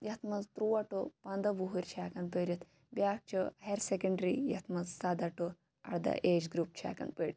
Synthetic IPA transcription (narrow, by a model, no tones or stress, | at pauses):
jɐt̪ʰmɐzt̪ɾuːɐʈupɐnd̪ɐʋuɦuɾʲt͡ʃʰaːkɐnpəɾʲɐt̪ | bjaːk̚t͡ʃʰuheɾsekɐɳɖɾijɐt̪ʰmɐzsɐd̪ɐʈu | ɐ̰ɽd̪ɐ̰ʔeːd͡ʒɡɾuːp̚t͡ʃʰa̰ːkɐ̰npeɽʲt̪